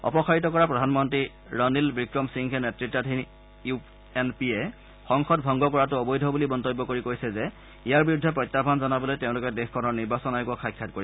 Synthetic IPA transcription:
ɔ̰pɔxaɹitɔkɔɹapɹɔdʱanmɔntɹi | ɹɔnilbɹikɹɔmsiŋkʰɛnetɹitːatʰin | u | enpiɛ | xɔŋxɔt̚bʱɔŋɡɔkɔɹatʊɔbɔjdʱɔbulibɔntɔbːɔkoɹikoɹjsɛzɛ | ijaɹbiɹudʱːɛpɹɔjtːabʱanzɔnabɔlojteʊ̃lʊkɛdexkʰɔnɔɹniɹbasɔnajkuɔkʰajkʰːat̚koɹisɛ

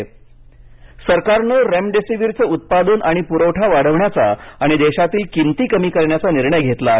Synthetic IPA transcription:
səɾkaɾnəɾemɖesiʋiɾt͡səut̪̚pad̪uːnʔaɽ̃ipuɾəwʈʰaʋaɽəʋɳjat͡saaɽ̃id̪eɕat̪iːlkint̪iːkəmiːkəɾɳjat͡saniɾɳəjɡʱet̪la

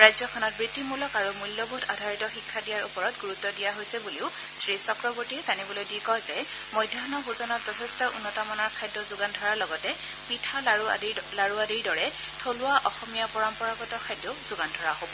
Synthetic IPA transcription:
ɹajzɔkʰɔnɔt̚bɹitːimulɔkaɹumulːɔbʱudʰa̰dʱaɹitɔxikʰːadijaɹupɔɹɔtɡuɹutːɔdijaɦojsɛbuliʊ | sɹisɔkɹɔbuɹtiɛzanibɔlojdikɔjzɛ | mɔjdʱanɔbuzɔnɔtz̥ɔtʰɛstɔʔṵnːɔtamɔnɔɹkʰajdːɔzʊɡandʱɔɹaɹlɔɡɔtɛ | pitʰa | laɹuadiɹdɔɹɛ | tʰolʊaʔɔxɔmijapɔɹɔmpɔɹaɡɔtɔkʰajdːɔzʊɡandʱɔɹaɦobɔ

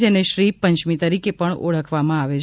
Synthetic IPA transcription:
d͡ʒeneʃɾipəɲt͡ʃmit̪əɾikepəɳo̰ɭəkʰʋamãaʋet͡ʃʰ

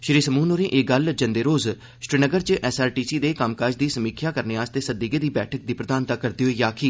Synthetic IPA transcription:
ʃɾiːsəmuːnoːɾẽːʔeːɡəld͡ʒənd̪eːɾoːz | ʃɾɪnəɡəɾt͡ʃʔɛːsaːɾʈiːsiːd̪eːkaːmkaːd͡ʒd̪iːsəmiːkʰjaːkəɾneːaːst̪eːsəd̪iːɡeːd̪iːbɛːʈʰək̚d̪iːpɾəd̪aːnt̪akːəɾd̪eːɦoiːjaːkʰiː

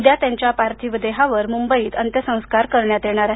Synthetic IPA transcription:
d̪jat̪jãɲt͡ɕjapaɾt̪ʰiʋəd̪eɦaʋəɾmumbəiːt̪ənt̪jəsə̃w̃skaɾkəɾɳjat̪jeɽ̃aɾaɦ

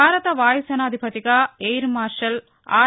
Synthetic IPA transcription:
aːɾɐt̪ɐʋaːjsɐnaːd̪ʱibɐt̪ɪɣaːeːɾmaːɾʂɐl | a̰ː

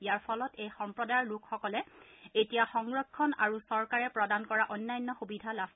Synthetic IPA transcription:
ijaɹpʰɔlɔtejxɔmpɹɔdaɹlʊkxɔkɔlɛetijaxɔŋɹɔkʰːɔna̰ɹusɔɹkaɹɛpɹɔdankɔɹaʔɔnːajɔnːɔxubidʱalas

